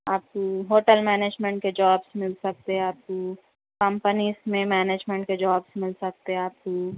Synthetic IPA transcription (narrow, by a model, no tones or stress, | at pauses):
aːp̚koɦoːʈəlmɛːneːd͡ʒmẽɳʈked͡ʒaːbsmɪlsɐk̚t̪eɦɛaːp̚ko | kɐ̃mpənizmẽmɛːneːd͡ʒmẽɳʈked͡ʒaːbsmɪlsɐk̚t̪eɦaːp̚ko